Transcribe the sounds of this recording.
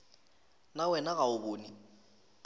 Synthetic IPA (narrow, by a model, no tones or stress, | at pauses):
nawɛnaɣaʊboːni